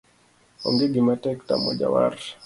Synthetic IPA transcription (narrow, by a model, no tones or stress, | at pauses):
o̰ŋɡeɡimatɛktamɔd͡ʒa̰wa̰r